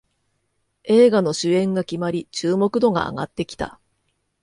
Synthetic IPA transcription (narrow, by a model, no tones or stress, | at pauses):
e̞ːɡano̞ɕɨẽ̞ŋɡakʲimaɾʲit͡ɕɨːmo̞kɯ̟d̪o̞ɡa̰ːɡa̰t̪ːe̞kʲi̥t̪a̰